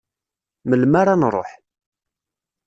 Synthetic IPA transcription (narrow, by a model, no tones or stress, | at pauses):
məlmaɾanɾˤo̰ħ